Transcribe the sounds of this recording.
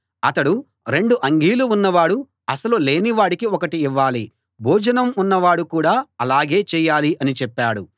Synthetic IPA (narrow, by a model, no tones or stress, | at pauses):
ɐt̪ɐɽu | ɾe̞ɳɖuʔɐŋɡiːluunːɐʋaːɽu | ɐsɐlole̞ːniʋaːɽikiɔkɐʈiːʋːaːli | bʱuːd͡ʒɐnɐmunːɐʋaːɽukuːɽaːɐlaːɡe̞ːt͡ʃɛːjaːliʔɐnit͡ʃɛpːaːɽu